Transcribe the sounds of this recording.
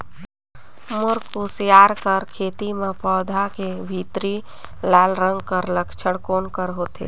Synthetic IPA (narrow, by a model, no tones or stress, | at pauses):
mʊɾkːusjaːɾkəɾkʰeːt̪imẽpɔːd̪ʱakebʱit̪ɾi | laːlɾə̃ŋɡkəɾləkʰt͡ʃʰəɽkoːnkəɾɦot̪ḛ